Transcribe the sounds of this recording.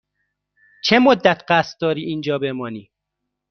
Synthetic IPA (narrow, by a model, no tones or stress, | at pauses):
t͡ʃʰemod̪ːæt̪ʰɢæst̪̚d̪ɒːɾiːʔiːnd͡ʒɒːbemɒːniː